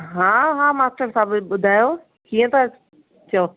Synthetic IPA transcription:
ɦãːɦãːmaːsʈəɾsaːbɓʊd̪ʱaːjoː | kiːə̃t̪ɐ | t͡ɕɐo

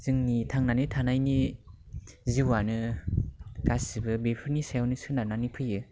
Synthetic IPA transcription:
z̥ɯŋnitʰaŋnanɯtʰanajni | ziwanɯ | kasibɯbepʰɯɾnisajawnɯsɯnananipʰɯjɯ

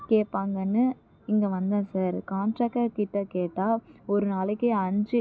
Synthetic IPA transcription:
keːpaːŋɡɐnːɯ | ɪŋɡɐʋɐnd̪ãːsaːɾkaːnʈɾɐːkʈɐkːɪʈːɐkeːʈːaːɔɾɯnaːlɪkːeːɐnd͡ʒi

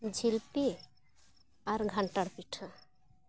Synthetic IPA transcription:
d͡ʒʱilpi | aɾɡʱaɳʈəɽpiʈʰə

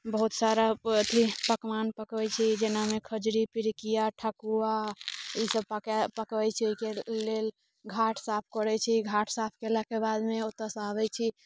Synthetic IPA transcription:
bəɦut̪saɾaət̪ʰipəkmanpəkɛt͡ʃʰid͡ʒenamekʰəd͡ʒɾipiɾikijaʈʰakuaisəbppəkɛt͡ʃʰioikelel | ɡʱaʈʰsapʰkəɾɛt͡ʃʰiɡʱaʈʰsapʰkelakebad̪meot̪əsabɛt͡ʃʰi

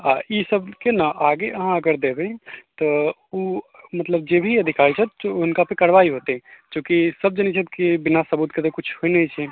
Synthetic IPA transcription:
aisəbkenaʔaɡeʔəɦãəɡəɾd̪ebẽt̪ɔ | umət̪ləb̚d͡ʒebʱiəd̪ʱikaɾit͡ʃʰɛt̪oʊnkapəkəɾʋaiɦot̪et͡ʃõkisəb̚d͡ʒenit͡ʃʰɛt̪kibinasəbut̪ket̪okut͡ʃʰhoinɛt͡ʃʰɛ

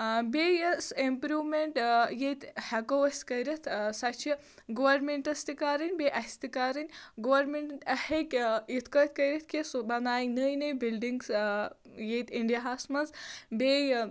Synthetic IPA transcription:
bejɐsempɾuːwmeɳʈjet̪hɛkowɐskɐjɾɐt̪ʰsɐt͡ʃʰi | ɡoʋɐɾmeɳʈɐst̪ikaːɾinʲbeʔɐsʲt̪ikaːɾinʲɡoʋɐɾmeɳʈʈhekʲjit̪ʰkəjt̪ʰkɐjɾɐt̪ʰkesbɐnaːjiŋnəjnɐjbilɖiŋɡs | jet̪iɳɖjɐɦaːsmɐnzbej

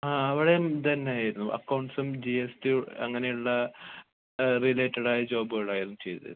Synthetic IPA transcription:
aːɐʋiɽejmt̪ɐnːejaːjiɾunːuʔɐ̰kːɐwɳʈsumd͡ʑiestiɐ̰ŋːɐne̞juɭːɐ | rileːʈːɐɽaːjɐd͡ʑo̞ːbɨɣɐɭaːjiɾunːut͡ɕe̞jd̪ɨðɐ̰

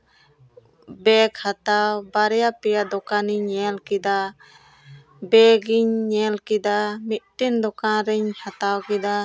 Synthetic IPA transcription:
bɛkhat̪awbaɾɛjapɛjad̪ɔkaniɲːɛlkid̪a | bɛɡiɲːɛlkid̪amit̪̚ʈind̪ɔkaɾɛɲhat̪awkid̪a

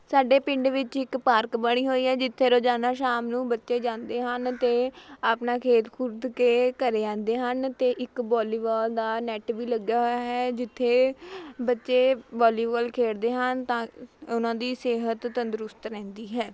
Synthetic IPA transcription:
saːɖeːpɪ̃ɳɖʋɪt͡ʃɪkpaːɾkbəɽ̃iːɦoːiːɦɛːd͡ʒɪt̪ʰːeːɾoːd͡ʒaːnaːʃaːmnũːbətːʃeːd͡ʒãːnd̪eːɦənt̪eːaːpnaːkʰeːt̪kʰʊɾd̪keːkəɾeːãːnd̪eːɦənt̪eːʔɪkbɔːliːʋaːld̪aːnɛːʈʋiːləɡaːɦoaːɦɛːd͡ʒɪt̪ʰːeːbətːʃeːbɔːliːʋaːlkʰeːɽd̪eːɦənt̪ãːʊnãːd̪iːseːɦət̪ːənd̪əɾʊst̪ɾɛ̃ːnd̪iːɦɛː

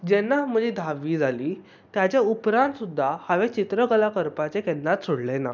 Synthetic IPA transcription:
d͡ʑɛnːam̤əd͡ʑid̪ʱaʋiːd͡zʱaliː | t̪jat͡ɕjaupɾãnt̪sud̪ʱːahaʋet͡ɕit̪ɾəɡəlakəɾpat͡sekɛnːat̪soɽlena̰

